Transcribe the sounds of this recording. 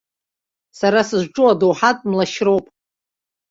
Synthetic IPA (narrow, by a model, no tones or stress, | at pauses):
saɾasɨʒʷʈ͡ʂʼuadowħatʼmlaʃro̞wpʼ